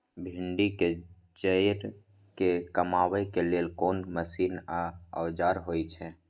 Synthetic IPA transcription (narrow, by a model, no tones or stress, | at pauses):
bʱɪɳɖike | d͡ʒəjɾ | kekəmaːwəkeleːlkoːnməsiːnaə̰ːd͡ʒaːɾɦoːit͡ʃʰɛ̃ː